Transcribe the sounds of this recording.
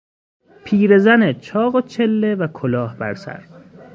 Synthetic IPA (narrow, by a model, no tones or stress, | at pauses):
pʰiːɾe̞zænet͡ʃʰɒːɣet͡ʃʰe̞lːevækʰolɒːhbæ̰ɾsæ̰ɾ